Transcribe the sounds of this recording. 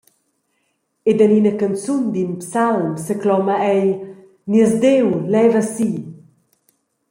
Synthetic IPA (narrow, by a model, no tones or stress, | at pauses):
ed̪aninəkant͡sund̪inpsalmsəklɔmaɛj | niəzd̪ewlɛvasi